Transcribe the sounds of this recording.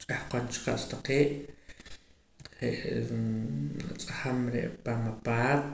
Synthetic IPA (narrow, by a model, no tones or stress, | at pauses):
t͡ʃʼahqont͡ʃqaʔst̪aqeːʔ | ɾeʔ | at͡sʼahamɾḛʔpamapaːt̪̚